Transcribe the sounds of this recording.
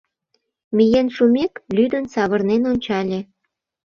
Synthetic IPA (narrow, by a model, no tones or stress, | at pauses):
mijenʃumeklyd̪ənsɑβɤ̆rnenonʲt͡ɕɑlʲĕ